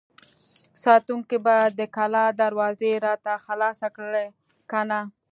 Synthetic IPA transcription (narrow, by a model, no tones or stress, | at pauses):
sɑt̪uŋkibajad̪ːəkalɑd̪aɾwɑzeɾɑt̪axalɑsakɽe | kana